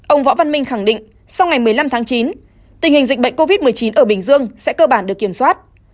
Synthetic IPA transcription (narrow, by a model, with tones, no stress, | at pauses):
ʔə˧wŋ͡mvɔ̰˧˥va˧nmï˧ŋ̟xa˧˩ŋɗḭ̈˧˨ŋ̟ | sa˧wŋa˨˩jmɨ˨˩əjla˧mt̪ʰaː˨˦ŋt͡ɕi˨˦n | t̪ï˨˩ŋ̟hï˨˩ŋ̟zi˨˩k̟̚ɓə̰˧˨jŋ̟ko˧vi˦˥t̚mɨ˨˩əjt͡ɕi˨˦nʔəː˧˩ɓï˨˩ŋ̟zɨ˧əŋsɛ̰˧˥kəː˧ɓaː˧˩nɗɨ˨˩əkːi˧˩əmswaː˦˥t̚